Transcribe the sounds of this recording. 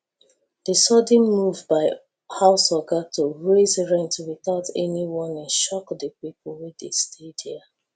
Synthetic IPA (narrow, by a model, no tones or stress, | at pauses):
d̥əsɔdĩnmuvbaɪ | haʊsɔɡatʰoɹezɹɛ̃ntwiθaʊtɛniwɔ̃nɛ̃nʃɔkdəpipʰɔl̩wɛdestʰedhi